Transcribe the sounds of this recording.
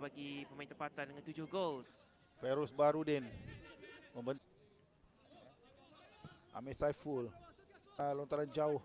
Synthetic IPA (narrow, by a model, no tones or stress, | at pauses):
baɡipəmaĩnt̪əmpat̪andəŋãnt̪ud͡ʒʊhɡols | fɛɾusbaɾudɛn | mə̃mbən | ʔa̰mɛsajful | lɔnt̪aɾand͡ʒaʊ